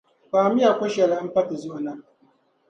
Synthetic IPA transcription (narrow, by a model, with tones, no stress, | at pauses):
ɸaː˨mi˦ja˨kʷo˦ʃa˨la˨˦pa˦ti˨zo˦˨na˦